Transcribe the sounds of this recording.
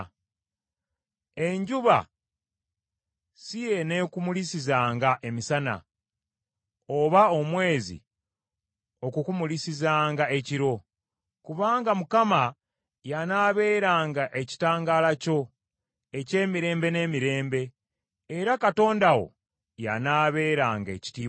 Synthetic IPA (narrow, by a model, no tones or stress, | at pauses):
e̞ɲɟuβa̰ | sije̞ne̞kumulisizaːŋɡaʔe̞misana̰ | oβao̞mwe̞ːzḭ | o̞kukumulisizaːŋɡae̞ciɾo̞ | kuβaːŋɡamukama | janaːβe̞ːɾaːŋɡaʔe̞ci̥taːŋɡaːlaco̞ | e̞ce̞ːmiɾe̞ːmbe̞ne̞ːmiɾe̞ːmbe̞ː | ɾakato̞ːndawo̞̰ | ja̰naːβe̞ːɾaːŋɡe̞̰ci̥tiː